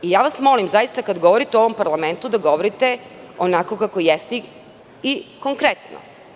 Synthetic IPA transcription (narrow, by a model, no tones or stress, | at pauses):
ijaːʋasmo̞limzajist̪akad̪ɡo̞ʋoɾit̪eoʋo̞mpaɾlˠame̞nt̪ud̪aɡo̞ʋoɾit̪eonako̞kako̞jest̪i | iko̞ŋkɾet̪no̰